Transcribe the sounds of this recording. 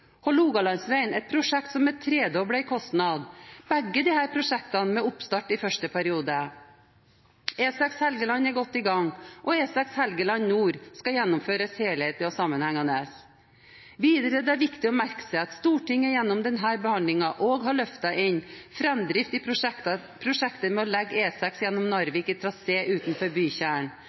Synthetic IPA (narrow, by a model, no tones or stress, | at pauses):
hɔluːɡɑlɑnsʋæɪnɛt̪̚pʰɾʊʂɛk̚t̪sɔmːɛt̪ʰɾeːd̪oːbɽæɪkʰɔst̪nɑd̪b̥ɛɡːəd̪ɪhæːɾpʰɾʊʂɛkt̪ɑnmɛʊpst̪ɑʈːɪfœʂʈəpʰæɾɪuːd̪ə | eːsɑkshɛlɡəlɑnːæɾɡɔt̪ːɪɡɑŋʔɔeːsɑkshɛlɡəlɑnnuːɾskɑjɛnːʊmføːɾəsheːlheːt̪əɔsɑmːənhæŋɑnəs | ʋiːd̪əɾəd̪ɛæɾʋɪkt̪ɪɔmæɾkə̥sɛɑt̪st̪uːʈʰɪŋːəjɛnːɔmd̪ɛnɦæːɾbəhɑnd̪lɪŋɑʔoːɡɦɑɭœft̪ɑʔɪnfɾɛmd̪ɾɪft̪ɪ | pʰɾʊʂɛkt̪əmɛɔlɛɡːeːsɑksjɛnːɔmnɑɾʋɪkɪt̪ʰɾɑseːʔʉːt̪nfɔɾbyːçæːəɳ